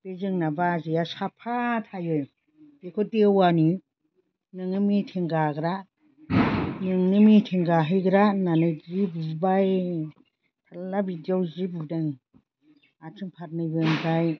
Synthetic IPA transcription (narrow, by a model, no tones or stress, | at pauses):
b̥ezɯŋnabazijasapʰatʰajɯj | b̥ekʰɔdewani | nɯŋɯmitʰeŋɡaɡɾa | nɯŋnɯmitʰeŋɡaɦɯjɡɾananɯjzibubaj | tʰalːabidawzibudɯŋ | atʰɯŋpʰat̚nɯjbɯnzaj